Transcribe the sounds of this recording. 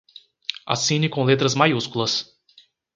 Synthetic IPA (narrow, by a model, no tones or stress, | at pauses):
a̰sĩnɪkõlet̪ɾɐzmajuskulɐs